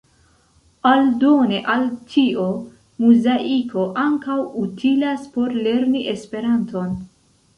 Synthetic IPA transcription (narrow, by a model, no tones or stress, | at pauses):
aldone̞ʔaltʰio | muzaʔikʰo̞ʔaŋkawutʰilaspo̞ɾle̞ɾniʔe̞spe̞ɾanto̞n